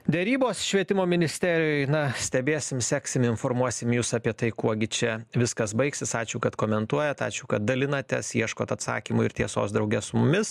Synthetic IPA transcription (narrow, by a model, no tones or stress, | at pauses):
d̪ʲɛɾʲiːboːsʃʲʋʲiɛt̪ʲɪmoːmʲɪnʲɪsʲt̪ʲæːɾʲɪjʊɪnɐsʲt̪ʲɛbʲeːsʲɪmsʲæksʲɪmɪnfoːɾmuɔsʲɪmjuːsɑpʲiɛt̪ɐɪkuɔɡʲɪt͡ʃʲɛʋʲɪskɐsbɐɪksʲɪsɑːt͡ʃʲuʊkɐt̪koːmʲɛnt̪uɔjɛt̪ɑ̰ːt͡ʃʲuʊːkɐt̪̚d̪ɐlʲɪnɐt̪ʲɛ̰sjiɛʃkoːt̪ɐt̪sɑ̰ːkʲimʊɪɾt̪ʲiɛso̰ːsd̪ɾɐʊɡʲɛssʊmʊmʲɪs